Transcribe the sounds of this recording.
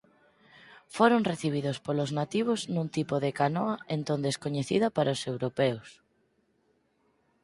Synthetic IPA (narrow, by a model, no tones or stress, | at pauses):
foɾoŋreθiβ̞iðʊspoloznat̪iβ̞oznũnt̪ipoðekanoaent̪õnd̪eskoɲeθḭðɐpaɾaosewɾopɛws